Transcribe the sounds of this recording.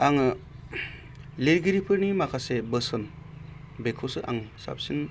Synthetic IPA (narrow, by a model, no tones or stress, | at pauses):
aŋɯ | leɾɡiɾipʰɯɾnimakʰasebəsɔn | bekʰosɯʔa̰ŋsa̰p̚sin